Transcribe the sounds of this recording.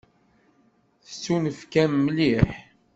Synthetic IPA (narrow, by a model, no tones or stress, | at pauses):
θə̥t͡sːunəfkæmːliħ